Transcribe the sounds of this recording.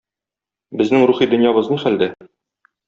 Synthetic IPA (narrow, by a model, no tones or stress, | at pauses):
bɘ̆znɘŋɾuχid̪ɵ̆njɑβɤ̆znɤχæld̪æ